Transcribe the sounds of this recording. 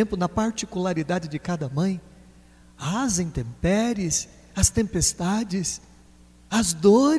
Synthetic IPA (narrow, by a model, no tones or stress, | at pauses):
ẽmpʊnɐpaɾt͡ʃikulaɾid̪ad͡ʒɪd͡ʒɪkad̪ɐmɐ̃j̃ | azẽj̃t̪ẽmpɛɾɪs | ɐst̪ẽmpest̪ad͡ʒɪs | ɐzd̪oɾ